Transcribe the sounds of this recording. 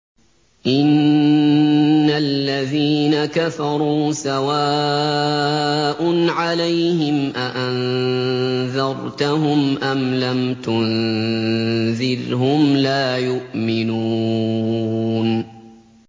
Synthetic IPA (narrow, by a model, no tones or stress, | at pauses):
ʔɪn | alːaðiːnakafɑɾˤuːsawaː | ʔʊnʕalajhɪmʔaʔan | ðɑɾˤt̪aɦʊmʔamlamt̪ʊn | ðɪɾɦʊmlaːjʊʔmɪnuː | n